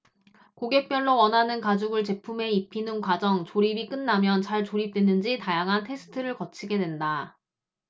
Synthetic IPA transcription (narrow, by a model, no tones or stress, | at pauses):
koɡe̞k̚p͈jʌnːowʌnɦanɯnkad͡ʑuɡɯɭt͡ɕe̞pʰume̞ipʰinɯnkwad͡ʑʌŋt͡ɕoɾibik͈ɯnːamjʌnt͡ɕaɭt͡ɕoɾip̚t͈we̞nɯnd͡ʑitajaŋɦantʰe̞sʰɯ̥tʰɯɾɯɭkʌt͡ɕʰiɡe̞dwenda